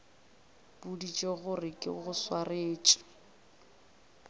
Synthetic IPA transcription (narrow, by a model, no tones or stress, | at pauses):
b̥udit͡ʃʼeɣʊrɪkʼɪ̰ɣʊswareːt͡ʃʼɔ̥